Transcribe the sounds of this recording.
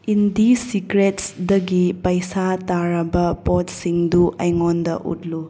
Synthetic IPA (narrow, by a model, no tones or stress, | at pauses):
indisikɾetsdɐɡipɐjsataɾɐbɐpotsiŋduʔɐjŋondɐ̰ʔṵt̚lu